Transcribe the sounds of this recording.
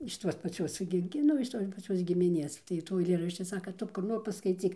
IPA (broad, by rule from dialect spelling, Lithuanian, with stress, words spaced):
ɪʃ ˈtuɔs pɐˈt͡sʲuɔs ɡʲɪ ɡʲɪ ˈnʊ ɪʃ ˈtoːs pɐˈt͡sʲuɔs ɡʲɪmʲɪˈnʲeːs tɐɪ ˈtuː ɐɪˈlʲeːrɐʃʲt͡ʃʲɪ ˈsɑːkɐ ˈtʊ kʊr ˈnoːr pɐskɐɪˈt͡sʲiːk